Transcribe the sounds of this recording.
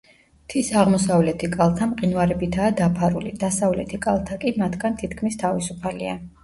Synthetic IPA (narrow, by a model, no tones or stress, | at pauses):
t̪ʰisaʁmɔsavlɛt̪ʰikʼalˠt̪ʰamqʼinwaɾɛbit̪ʰaːd̪apʰaɾulid̪asavlɛ̰t̪ʰikʼalˠt̪ʰakʼimat̪ʰɡant̪ʰit̪ʰkʰmist̪ʰavisupʰalḭa̰